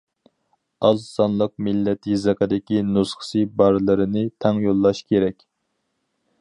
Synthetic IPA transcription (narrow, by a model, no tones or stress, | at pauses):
ɑzsɑnlˠəq̚mɪlːɛt̪ʰɨzɛqəd̪ɪkʲinusχə̥sɨbɑɾlˠɨɾɨnɨt̪ʰɛŋjolˠːɑʃkʲeɾɛkʲ